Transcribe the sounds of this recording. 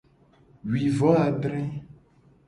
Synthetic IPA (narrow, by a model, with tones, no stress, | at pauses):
wi˨vɔ˨˦a˨ɖɾɛ̃˦